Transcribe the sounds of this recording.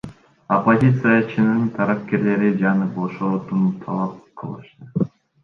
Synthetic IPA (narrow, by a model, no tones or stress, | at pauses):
opozʲit̪sɨjat͡ʃʰinɯnt̪ʰɑɾɑp̚ke̞ɾle̞ɾid͡ʒɑnɯboʃoɾot̪unut̪ʰɑ̰lˠɑp̚qʰɯlˠɯ̰ʃt̪ɯ